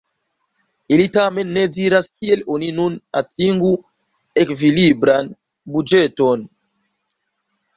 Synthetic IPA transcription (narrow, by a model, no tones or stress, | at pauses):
ilitame̞nːediɾaskieloninuna̰tiŋɡu | ekvilibɾan | bud͡ʒeton